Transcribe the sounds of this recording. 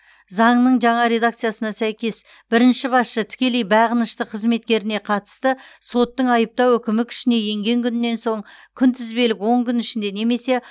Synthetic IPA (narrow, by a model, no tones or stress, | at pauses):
zɑɴnəɴʒɑɴɑɾe̞d̪ak̚t̪sɨijasənɑsæjkʲe̞s | b̥ɪɾɪnʃɪbɑsʃət̪ʰɪ̥kʲe̞lejbɑʁənəʃt̪əqʰəzme̞t̪̚kʲe̞ɾɪne̞qʰɑt̪ə̥st̪əso̞t̪ːəɴɑjəp̚t̪ɑwɵkʲɪmɪkʲʰʏ̥ʃɪne̞je̞ŋɡʲe̞ŋkʲʰʏnɪnːe̞nso̞ɴkʲʰʏnt̪ʰɪzbe̞lɪkwo̞ɴkʲʏnɪʃɪnd̪e̞ne̞me̞se̞